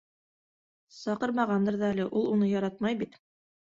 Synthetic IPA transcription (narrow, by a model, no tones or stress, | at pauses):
sɑqɤɾmɑʁɑnd̪ɤɾðɑælɘʔulˠunɤjɑɾɑt̪̚mɑjbit̪